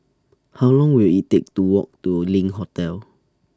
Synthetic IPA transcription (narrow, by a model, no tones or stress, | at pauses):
hawlɔ̃ŋwilitek̚tuwɔ̰k̚tulĩŋɦotɛl